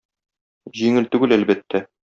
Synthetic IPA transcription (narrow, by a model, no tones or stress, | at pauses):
ʑiŋɘlt̪ʉɡɘlælbæt̪ːæ